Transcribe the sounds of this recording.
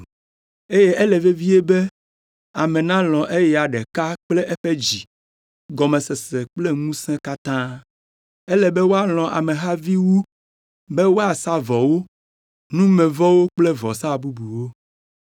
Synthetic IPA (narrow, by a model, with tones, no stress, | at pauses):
e˦je˦ʔɛ˦lɛ˨ve˦vi˦e˦bɛ˦ | a˨mɛ̃˨nã˦l̃ɔ̃˨ʔe˦jɛ˨a˨ɖɛ˨ka˦k͡plɛ˦ʔɛ˦ɸe˦d͡ʑi˨ | ɡɔ˨mɛ̃˨sɛ˨se˨k͡ple˦ŋũ˦sɛ̃˦ka˦t̪ã˦ | ɛ˦lɛ˨bɛ˦wo˦a˦l̃ɔ̃˨ʔa̰˨mẽ˨ɦa˦vi˦wu˦ | bɛ˦wo˦a˨sa˦vɔ˨wo˦ | nũ˦mɛ̃˨vɔ˦wo˦k͡ple˦vɔ̰˨sa˦bu˦bu˨wo˦